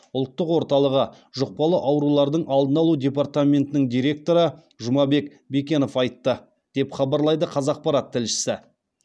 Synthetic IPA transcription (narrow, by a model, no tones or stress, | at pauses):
ʊlˠt̪ːəqwo̞ɾt̪ɑlˠəʁə | ʒʊq̚pɑlˠəʔɑwɾulˠɑɾd̪əɴʔɑlˠd̪ənɑlˠud̪ʲe̞part̪amʲe̞nt̪ɪnɪŋd̪ijɾʲe̞k̚t̪o̞ɾə | ʒʊmɑbe̞k | be̞kʲe̞no̞fɑjt̪ːə | d̪̥e̞pχɑbɑɾlˠɑjd̪əqʰɑzɑq̚pɑɾɑt̪ʰːɪlʃɪ̥sɪ